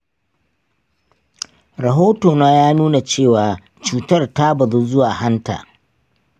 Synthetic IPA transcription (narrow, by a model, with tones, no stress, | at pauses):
ɾɐ˨ɦoː˦toː˨naː˦jaː˦nuː˦na˨t͡ʃeː˦˨waː˨ | t͡ʃuː˨tɐ˦rta˦bɐ˨ðu˦zʊ˦waː˨ha˦nta̰ː˨